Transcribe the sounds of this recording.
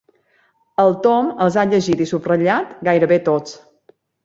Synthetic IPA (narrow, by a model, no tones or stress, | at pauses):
əlˠt̪ɔməlˠzaʎəʒit̪isuprəʎat̪ɡajɾəβet̪ot͡s